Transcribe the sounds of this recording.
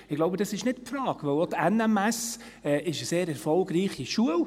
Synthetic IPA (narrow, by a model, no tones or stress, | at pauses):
ɪɡ̥loʊbədɑsɪʃnɪtpfɾɑːɡ̥ʋœlotɛnɛmɛs | ɛːʔɪʃəseːɾɛɾfɔlɡɾiːχiʃuəl